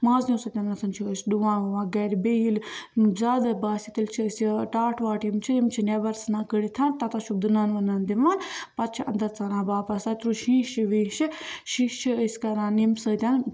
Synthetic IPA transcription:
mãːznʲĩːsət̪ʲaːnːɐsʰɐnt͡ʃʰiəsduãːʋɐʋãːɡɐɾbeilzaːd̪ɐbaːsʲit̪ilʲt͡ʃʰiəsʈaːʈʰʋaːʈimt͡ʃʰiimt͡ʃʰinebɐɾsnãːkəɽit̪ʰant̪ɐt̪aʃub̚d̪ɨnaːnʋɐnand̪imaːnpɐɾt͡ʃʰiʔɐ̰nd̪ɐɾt͡saːnãːbaːpɐsaːt̪ɾuʃĩːʃiʋiʃiʃit͡ʃʰiəsʲkɐɾãːnimsət̪ʲan

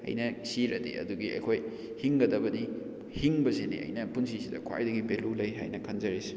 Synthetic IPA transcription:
ɐ̰jnɐsiɾɐ̰dḛɐ̰duɡiɐ̰jkʰoj | hiŋɡɐdɐbɐdi | hiŋbɐsenḭʔɐ̰jnɐpunsisidɐ̰kʰwa̰jdɐɡibelulɐjɦa̰jnɐkʰɐnzɐɾis

